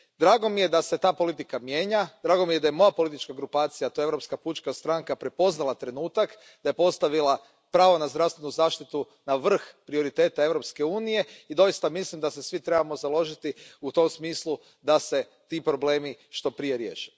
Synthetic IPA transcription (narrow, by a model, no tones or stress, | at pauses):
d̪ɾaːɡo̞mije̞d̪ase̞t̪aːpo̞lit̪̬ikamje̞ːɲad̪ɾaːɡo̞mijed̪aje̞mo̞japo̞lit̪it͡ʃkaɡɾupaːt̪sijat̪o̞eeʋɾo̞pskaput͡ʃkast̪ɾaŋkapɾe̞po̞znalˠat̪ɾe̞nuːt̪ak | d̪aje̞po̞st̪aʋilˠa | pɾaːʋo̞nazd̪ɾafst̪ʋe̞nuzaːʃt̪it̪u | naʋr̩xpɾio̞ɾit̪e̞ːt̪ae̞ʋɾo̞pske̞uːnije̞id̪o̞jist̪amislimd̪ase̞sʋit̪ɾebamo̞zalˠo̞ʒit̪iut̪o̞msmiːslˠu | d̪ase̞ | t̪ipɾo̞bleːmiʃt̪o̞pɾije̞ɾje̞̰ːʃi